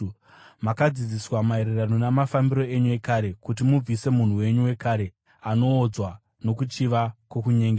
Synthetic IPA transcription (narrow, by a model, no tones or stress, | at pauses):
makad͡zid͡ziswamae̞ɾeranonamafambiɾo̞e̞ɲue̞kaɾe̞kutimub͡vise̞mun̤uwe̞ɲuwe̞kaɾe̞ | ano̞ːd͡zwa | no̞kut͡ʃiʋakwokuɲeŋɡe